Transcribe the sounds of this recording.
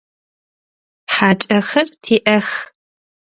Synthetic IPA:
ħaːt͡ʃʼɐxɐrtʰiːʔɐx

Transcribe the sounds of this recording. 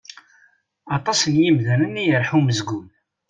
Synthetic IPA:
ɑt̪ˤɑsənjimðænənːijəɾħuməzɡun

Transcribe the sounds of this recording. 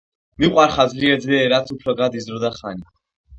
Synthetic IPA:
miqʼwaɾχazliɛd̪zliɛɾat̪sʰupʰɾɔɡad̪izɾɔd̪aχani

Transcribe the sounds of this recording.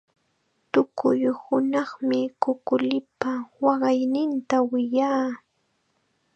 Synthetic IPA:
t̪ʊkʊjhʊnɑχmɪkʊkʊlɪpawɑɢɑjnɪnt̪awɪjaː

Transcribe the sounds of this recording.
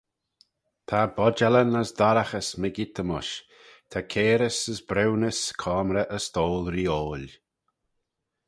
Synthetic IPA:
t̪ʰabɔd͡ʒɛlənəsd̪aɾaxəsməɡit̪əmʊʃ | t̪ʰakʰeːɾəsəsbɾɛwnəskʰɔːmɾəʔəst̪oːlˠɾiːoːl

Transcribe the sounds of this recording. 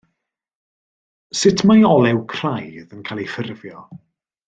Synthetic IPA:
sɪtʰmajɔlˠɛwkʰr̥ajðənkʰaːlˠejfərvjɔ

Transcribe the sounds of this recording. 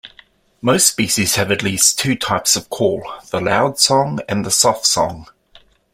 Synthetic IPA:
məʊstspiˑʃiz̥əvətˡliˑstʰʉːtʰaɪpsəv̥kʰɔːlˠðəlaʊd̥sɒ̃ŋə̃nðəsɒftsɒ̰̃ŋ

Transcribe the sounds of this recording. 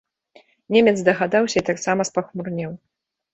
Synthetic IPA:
nʲemʲɛt̪zd̪ɐɣad̪awsʲɐit̪aksamɐspaxmurnʲɛw

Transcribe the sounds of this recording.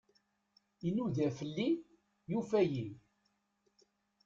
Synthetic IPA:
inuðæfəlːi | jufæjin

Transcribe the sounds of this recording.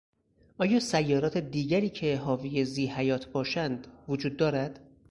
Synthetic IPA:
ʔɒːjɒːsæjːɒːɾɒːt̪ʰe̞d̪iːɟæɾiːcʰe̞ɦɒːvijeziːhæjɒːt̪ʰbɒːʃænd̪vod͡ʒuːd̪ːɒːɾæd̪̥

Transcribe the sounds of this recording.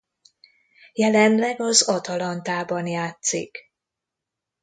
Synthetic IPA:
jɛlɛnlɛɡɒzɒt̪ɒlɒnt̪aːbɒnjaːt̪sḭk

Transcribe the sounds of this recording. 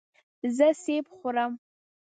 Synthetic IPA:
zɨseːpχʷʊɾam

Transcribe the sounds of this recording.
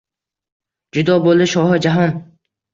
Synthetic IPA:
d͡ʒʊd̪ɒbolˠɪʃɒɦɪd͡ʒaɦɒn

